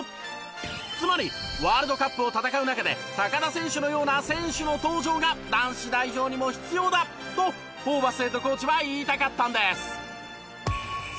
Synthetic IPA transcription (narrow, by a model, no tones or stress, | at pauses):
t͡sɨmaɾʲiβaːɾɯ̟d̪o̞kapːɯ̟o̞t̪at̪akaɯ̟nakad̪e̞̰ | t̪akad̪asẽ̞ɰ̃ɕɨno̞jo̞ːnasẽ̞ɰ̃ɕɨno̞t̪o̞ːʑo̞ːɡad̪ãɰ̃ɕid̪aiʑo̞ːɲ̟imo̞çi̥t͡sɨjo̞ːd̪a | t̪o̞ | poːbasɨɾet̪oko̞ːt͡ɕiβaiːt̪akat̪ːãnd̪e̞sɨ̥